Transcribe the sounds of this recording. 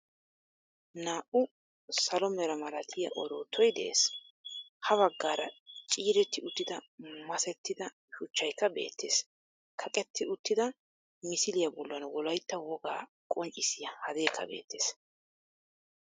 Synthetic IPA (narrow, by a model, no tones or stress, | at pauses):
naːʔʊ | sɐlɔmɛɾɐmɐlɐt̪ʰɪjɐʔɔɾoːt̪ʰːɔjd̪ɛ̰ʔeːs | hɐβɐɡːaːɾɐt͡ʃʼiːɾɛt̪ːɪʊt̪ːɪd̪ɐmɐsɛt̪ːɪd̪ɐ | ʃʊt͡ʃːɐjkːɐbe̞̰ːt̪ʰːḛːs | kʰɐkʼɛt̪ːɪʊt̪ːɪd̪ɐ | mɪsɪlɪjɐbɔlːʊɐnwɔlɐjt̪ːɐwɔɡa̰ː | kʼɔnt͡ʃʼːɪsɪjɐhɐd̪e̞ːkːɐ̰be̞̰ːt̪ːe̞ːs